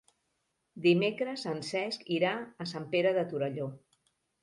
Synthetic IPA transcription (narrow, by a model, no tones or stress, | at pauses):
d̪imekɾəsənsɛskiɾaəsampeɾəðət̪uɾəʎo